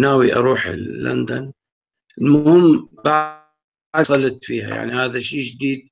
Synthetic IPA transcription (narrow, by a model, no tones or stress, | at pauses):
naːwiʔɑ̰ɾˤuːħɪ̰lːa̰nd̪an | ɪlmʊhɪmːba | d̪sɑlɪt̪fḭːha̰ja̰ʕnihaːðaʃiːd͡ʒd̪iːd̪̚